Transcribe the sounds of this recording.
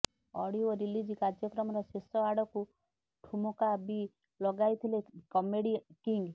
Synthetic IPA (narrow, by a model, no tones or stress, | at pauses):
ɔɽiɔɾilid͡ʒikaɾd͡ʒjɔkɾɔmɔɾɔsesɔaɽɔku | ʈʰumɔkabi | lɔɡajt̪ʰilekɔmeɽikiŋɡ